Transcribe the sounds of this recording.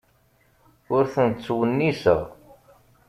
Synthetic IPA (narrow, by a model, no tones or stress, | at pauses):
ʊɾθənt͡sːwənːisə̰ʁ